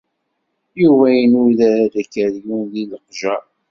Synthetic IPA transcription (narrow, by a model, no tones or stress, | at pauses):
juvæjənʊðæɾæd̪ækːəɾjunðiləqʒæ